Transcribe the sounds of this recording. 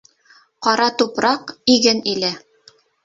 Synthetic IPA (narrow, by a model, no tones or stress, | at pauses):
qɑɾɑt̪upɾɑqiɡɘnilɘ